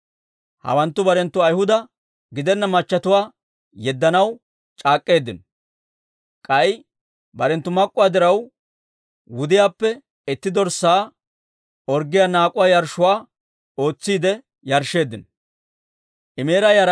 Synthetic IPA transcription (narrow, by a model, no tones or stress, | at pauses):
hɐ̰wɐnt̪ːʊbɐɾɛnt̪ːʊɐjhʊd̪ɐ | ɡɪd̪ɛnːɐmɐt͡ʃːɐt̪ʊwaː | jɛd̪ːɐnɐw | t͡ʃʼaːkʼːe̞ːd̪ːɪn | kʼɐj | bɐɾɛnt̪ːʊmɐkʼːʊwaːd̪ɪɾɐw | wʊd̪ɪjaːpːɛ | ɛt̪ːɪd̪ɔɾsaː | ɔɾɡɪjaːnaːkʼʊwaːjɐɾʃːʊwaː | o̞ːt͡sːiːd̪ɛ | jɐɾʃːe̞ːd̪ːɪn | ʔɪme̞ːɾɐjɐɾ